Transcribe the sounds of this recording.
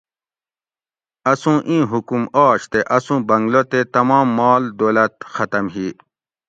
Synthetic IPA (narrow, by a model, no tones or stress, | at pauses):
ɐsũːʔĩːɦukumaːɕt̪eʔɐsũːbɐŋɡlot̪et̪ɐmɑ̃ːmːɑːld̪oːlɐt̪xɐt̪ɐmɦiː